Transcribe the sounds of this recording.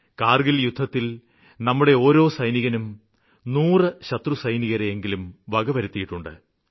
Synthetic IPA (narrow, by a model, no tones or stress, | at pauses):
kaːrɡiljud̪ʱːɐt̪ːil | nɐmːuɽe̞o̞ːɾo̞ːsɐjniɣɐnum | nuːrɨɕɐt̪rusɐjniɣɐɾeeŋɡilumʋɐɡɐʋɐɾut̪ːijiʈːuɳɖɨ̰